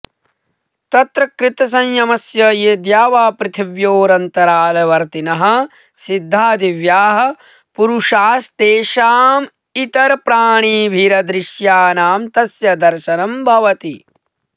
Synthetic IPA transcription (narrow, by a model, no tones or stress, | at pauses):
t̪ɐt̪ɾɐkɾɪt̪ɐsɐɲjɐmɐsjɐjeːd̪jaːʋaːpɾɪt̪ʰiʋjoːɾɐnt̪ɐɾaːlɐʋɐɾt̪inɐɦɐ̆ | sid̪ʱːaːd̪iʋjaːɦɐ̆ | puɾuʂaːst̪eːʃaːm | it̪ɐɾpɾaːɳ̃iːbʱiɾɐd̪ɾɪʃjaːnaːmt̪ɐsjɐd̪ɐɾʃɐnɐmbʱɐʋɐt̪i